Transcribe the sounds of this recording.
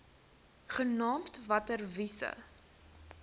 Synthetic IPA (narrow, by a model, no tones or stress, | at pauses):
χənɑːmtvɐtərvisə̰